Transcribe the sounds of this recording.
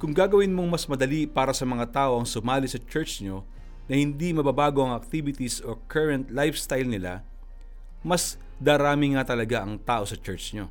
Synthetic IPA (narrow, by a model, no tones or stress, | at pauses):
kʊŋɡaːɡɐwɪnmoŋmɐsmɐd̪ɐlipaːɾɐsɐmɐŋat̪aːʔo̞ʔɐŋsʊmaːlɪsɐt͡ʃɛɹt͡ʃɲo̞ | nɐhɪnd̪imɐbabaːɡo̞ʔɐŋɐk̚t̪ibɪt̪isokʰɛɹɐnt̪lajfst̪ajlnɪla̰ | mɐs | d̪aːɾaːmɪŋat̪ɐlɐɡaʔɐŋt̪aːʔo̞sɐt͡ʃɛɹt͡ʃɲo̞